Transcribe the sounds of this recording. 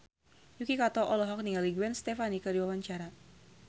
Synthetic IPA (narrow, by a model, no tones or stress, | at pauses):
jukikat̪ɔʔɔlɔɦɔk̚niŋaliɡuɛnst̪ɛfanikədiwawaɲt͡ʃaɾa